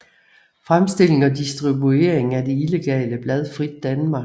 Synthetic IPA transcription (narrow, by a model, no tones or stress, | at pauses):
fʁamsd̥e̝l̰e̝ŋɒ̽d̥isd̥ʁibue̝̰ɐeŋ̩æd̥e̝ile̝ɡ̥ɛ̰ːləb̥lɛð̞ˠfʁid̥ːænmɑ̥̈